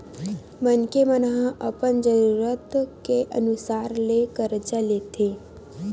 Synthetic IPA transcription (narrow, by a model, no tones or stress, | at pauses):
mənkemənəɦə̃ʔəpəɳd͡ʒəɾuɾət̪keʔə̰nusaɾlekəɾd͡ʒalet̪ʰe